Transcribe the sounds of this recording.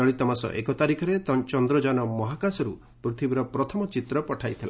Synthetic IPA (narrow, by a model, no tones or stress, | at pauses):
ɔɭit̪ɔmasɔ̰ʔekɔt̪aɾikʰɔɾet̪ɔt͡ʃɔnd̪ɾɔd͡ʒanɔmɔɦakasɔɾu | pɾut̪ʰibiɾɔpɾɔt̪ʰɔmɔt͡ʃit̪ɾɔpɔʈʰajt̪ʰila